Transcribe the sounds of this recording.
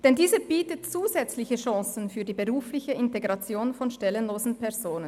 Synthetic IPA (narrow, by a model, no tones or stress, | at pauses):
d̥ɛndiːzəb̥iːtət̚t͡suːzɛt͡slɪçəʃɑ̃sn̩fyːɐdiːbəʁuːflɪçəɪnteɡʁɑt͡sjoːnfɔnʃtɛlənloːzn̩pʰɛɐz̥oːnən